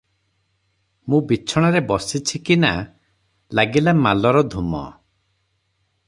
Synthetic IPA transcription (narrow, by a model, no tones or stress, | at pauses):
mũbit͡ʃʰɔɽ̃aɾebɔsit͡ʃʰikina | laɡilamalɔɾɔd̪ʱumɔ̰